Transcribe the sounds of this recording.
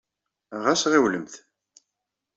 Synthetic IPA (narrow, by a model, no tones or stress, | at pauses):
ʁæsʁiwləmθ